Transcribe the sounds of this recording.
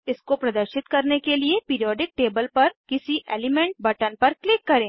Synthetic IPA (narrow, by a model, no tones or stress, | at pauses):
ɪskopɾɐd̪əɾʃɪt̪kɐɾnekeliepiːɾijɔːɖɪk̚ʈeːbəlpɐɾkɪsiʔḛːlɪmɛ̃ːɳʈ̚bɐʈənpɐɾklɪkːɐɾẽː